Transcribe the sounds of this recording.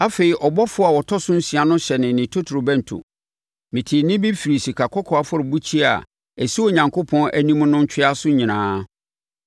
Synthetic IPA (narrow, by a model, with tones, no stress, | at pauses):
a˦fe˨i˨ʔɔ˨bɔ˦fʊ˦a˨wɔ˨tʰɔ˦sʊ̃˦n̩˦si˨a˨nʊ̃˦ɕɛ˨nɪ̃˨nɪ̃˨tʰo˦tʰɾo˨bɛ̃˦n˨tʰʊ̰˨ | mɪ̃˨tʰɪ˨nɪ̃˦bi˦fi˨ɾi˨si˨kʰa˨kʰɔ˦kʰɔ˨a˨fʊ˦ɾʊ˨bu˦t͡ɕʰi˦a̰˨ | æ˨si˦o˨ɲã˨ŋkʰo˦pʰɔ̃˦nʔæ˦nĩ˦mʊ̃˦nʊ̃˦ɲ̩˦t͡ɕʰᶣɪ˦a˦sʊ˦ɲĩ˨nãː˨˦